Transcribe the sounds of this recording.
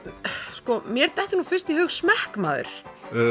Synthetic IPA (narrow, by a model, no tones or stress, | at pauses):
skɔmjɛɾt̪ɛht̪ɪɾnufɪnst̪ihʏɣsmɛhkmaːðʏ̰ɾ̥